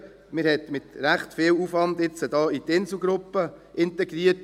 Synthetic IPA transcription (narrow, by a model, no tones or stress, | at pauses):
mɪɾhɛt̪mɪt̪ɾæχtfɪːwufʋɑnd̪ɪt͡sədɑːit̪ɪnsl̩ˠɡɾʊpːə | ʔɪntɛɡɾiət